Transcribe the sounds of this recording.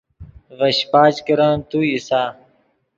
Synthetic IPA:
vɐɕpaːd͡ʑkiɾãːnt̪uisaː

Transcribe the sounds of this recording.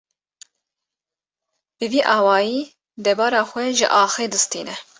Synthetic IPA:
bɨviːʔɑːwɑːjiː | d̪ɛbɑːɾɑːxʷɛʒɪ̰ʔɑːxeːd̪ɨst̪iːnɛ

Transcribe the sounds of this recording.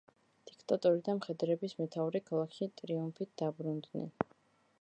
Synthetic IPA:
d̪̥ikʰt̪ʼat̪ʼɔɾid̪amχɛd̪ɾɛbismɛt̪ʰauɾikʰalˠakʰʃit̪ʼɾiumpʰit̪̚ʰd̪̥abɾund̪nɛ̰n

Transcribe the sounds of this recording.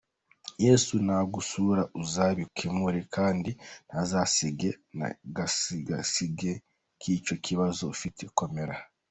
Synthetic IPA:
jeːsunaɡusuɾaʔuzaβikʰemuɾekʰaːndinazasiɡe̞na̰ɡaɡa̰siɡe̞ | kʰiːt͡ʃo̞kʰiβazo̞fitʰeko̞me̞ɾa

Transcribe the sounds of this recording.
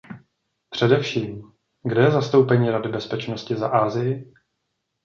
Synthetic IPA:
pr̝̥ɛdɛfʃiːm | ɡdɛjɛzast̪owpɛɲiːɾadɪbɛspɛt͡ʃnoscɪza̰ʔaːzɪjɪ

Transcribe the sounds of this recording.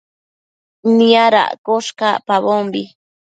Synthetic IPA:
niaɾa̰ʔkoʃka̰paβombi

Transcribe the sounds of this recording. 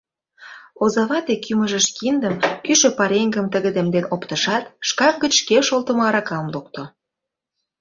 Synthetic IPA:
ozɑβɑt̪ekymə̆ʒə̆ʃkind̪əmkyʃø̆pɑɾeŋɡə̆mt̪əɣə̆d̪ĕmd̪enopt̪əʃɑt̪ʃkɑvɡə̆t͡ɕʃkeʃolt̪ə̆moɑɾɑkɑmluk̚t̪o

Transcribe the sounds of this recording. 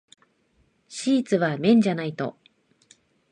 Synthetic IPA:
ɕiːt͡sɨβamʲẽ̞ɲ̟d͡ʑanait̪o̞̰

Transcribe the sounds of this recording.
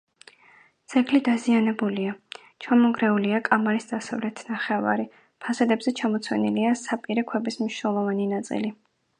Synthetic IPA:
t̪sʰɛkʰlid̪azianɛbulia | t͡ʃʰamɔŋɡɾɛuliakʼamaɾisd̪asavlɛt̪ʰnaχɛva̰ɾi | pʰasɛd̪ɛbzɛt͡ʃʰamɔt̪sʰwɛ̰niliasapʼiɾɛkʰwɛbismniʃnɛlˠɔvaninat̪sʼḭli

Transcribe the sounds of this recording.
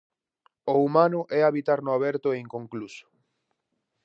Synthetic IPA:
oumanʊʔɛaβit̪aɾnʊaβɛɾt̪ʊeŋkõŋklusʊ̥

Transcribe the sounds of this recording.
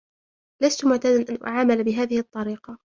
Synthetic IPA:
last̪ʊmʊʕt̪aːd̪anʔanʔʊ̰ʕaːmalabɪɦaːðɪhɪt̪ˤːɑɾiːqɑ

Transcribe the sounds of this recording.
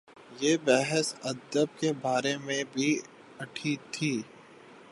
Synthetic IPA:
jeːbɛɦəsɐd̪əb̚kebaːɾemẽbʱi | ɐʈʰit̪ʰiː

